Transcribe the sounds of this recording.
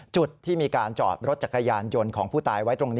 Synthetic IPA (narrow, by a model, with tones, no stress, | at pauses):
t͡ɕu˨˩t̪ʰːiː˥˩miː˧kaː˧nt͡ɕɔ̰ː˨˩p̚ɾo˦˥t̪̚t͡ɕa˨˩kːa˧jaː˧njo˧nkʰɔː˩˦ŋpʰuː˥˩t̪aː˧jwa˦˥jt̪ɾo˧ŋniː˦˥